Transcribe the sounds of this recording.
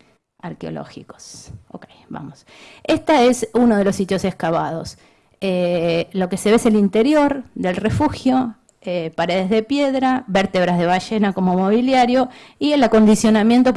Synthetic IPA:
aɾkeo̞̰lo̰xḭko̥sokejba̰mos | est̪aesunoð̞elo̞sːit̪jo̞sehkaβa̰ð̞o̞s | elo̞ke̞seβeselint̪e̞ɾjo̞ɾd̪e̞lrefuxjo̞ | epaɾe̞ðezðe̞pje̞ðɾaβeɾt̪eβɾazð̞e̞β̞aʒe̞nako̞momo̞βiljaɾjo̞ielako̞nd̪isjo̞namje̞nt̪o̞

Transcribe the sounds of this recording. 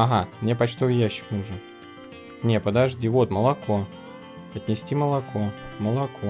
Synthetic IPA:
ɐɦamnʲepɐt͡ɕt̪ovʲjæɕːɪ̥knuʐən | nʲe̞pəd̪ɐʐdʲivo̞t̪məlˠɐko̞ | ɐt̪ʲnʲɪsʲtʲiməlˠɐkoməlˠɐkʰo

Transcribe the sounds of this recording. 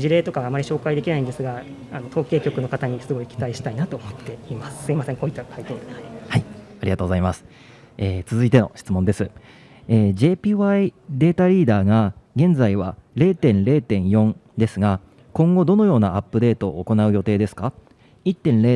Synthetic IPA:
d͡ʑiɾe̞ːt̪o̞kaɡaːmːaɾʲiɕo̞ːkaid̪e̞kʲinaĩnd̪e̞sɨɡa | ano̞t̪o̞ːke̞ːkʲo̞kɯ̟no̞kat̪aɲ̟isɨɡo̞ikʲi̥t̪aiɕi̥t̪ainat̪o̞ːmot̪ːe̞imasɨ̥sɨimasẽ̞ŋko̞it̪ːat̪ait̪o̞ːɾɯhaiaɾʲḭɡat̪oɡzaimasɨ̥ | eːt͡sɨzɨit̪e̞no̞̰ɕi̥t͡sɨmõ̞nd̪e̞sɨ | eːʑe̞ːpʲiːβaid̪e̞ːt̪aɾʲiːd̪aːɡaɡẽ̞nd͡zaiβ̞aɾe̞ːt̪ẽ̞nɾe̞ːt̪ẽ̞ɰ̃jõ̞nd̪e̞sɨɡa | kõ̞ŋɡo̞d̪o̞no̞jo̞ːnaapːɯ̟d̪e̞ːt̪o̞ːko̞naɯ̟jo̞t̪e̞ːd̪e̞sɨ̥ka | it̪ːẽ̞nɾeː

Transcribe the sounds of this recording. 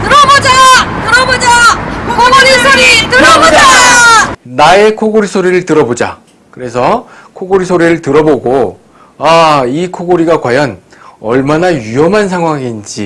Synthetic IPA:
tɯɾʌbod͡ʑatɯɾʌbod͡ʑakʰoɡoɡoɾisʰoɾitɯoa | nae̞kʰoɡoɾisʰoɾiɾɯɭtɯɾʌbod͡ʑa̰ | kɯɾe̞sʰʌkʰoɡoɾisʰoɾiɾɯɭtɯɾʌboɡo | aikʰoɡoɾiɡakwajʌn | ʌ̰ɭmanaiʌmɦans̬ʰaŋɦwaŋind͡ʑḭ

